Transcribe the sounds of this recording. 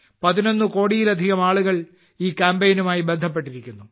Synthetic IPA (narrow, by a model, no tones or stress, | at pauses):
pɐðino̞nːɨko̞ːɽijilɐd̪ʱiɣɐmaːɭuɣɐɭ | iːkʲaːmbejnumaːjibe̞nd̪ʱɐpːe̞ʈːiɾikʲːunːu